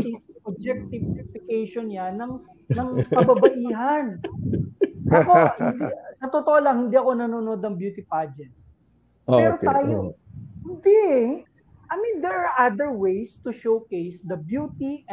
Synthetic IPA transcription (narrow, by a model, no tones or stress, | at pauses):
isʔɐb̚d͡ʒɛk̚t̪ɪvɛtɪkejʃonɲanɐŋ | nɐŋkɐbɐbɐʔiːɦɐn | sɐkohɪnd̪isɐt̪ot̪oʔolaŋhɪnd̪iʔɐko̞nɐnoːnod̪ɐŋbjuːt̪ɪpad͡ʒɛt̪̚ | ɛːɾokt̪aːjohɪnd̪i | ʔɐjmĩnd̪ɛɹaɹʔad̪ɛɹwejst̪ʊʃowkejsd̪ɐbjuːt̪iʔ